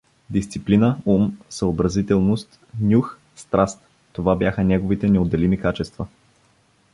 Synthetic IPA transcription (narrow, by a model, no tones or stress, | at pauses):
d̪ist̪siplinəumsəobɾɐzit̪ɛlˠnost̪ | nʲux | st̪ɾast̪̚ | t̪ːovabjaxənʲɛɡovit̪ɛnɛod̪ːɛlimikat͡ʃɛst̪və